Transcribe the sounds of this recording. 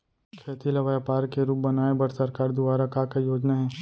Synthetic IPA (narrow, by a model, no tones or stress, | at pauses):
kʰeːt̪ilɐʋaːjapaːɾkeɾuːp̚bɐnaːebɐɾsɐɾkaːɾd̪ʊbaːɾakakajoːd͡ʒnaɦɛː